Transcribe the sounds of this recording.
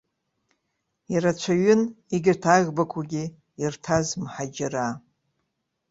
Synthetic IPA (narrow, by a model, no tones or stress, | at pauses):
iɾat͡ʃʷʰaɥɪn | iɡʲɪrtʰaɣʲbakʷʰaɡʲi | irtʰazmħad͡ʒɪra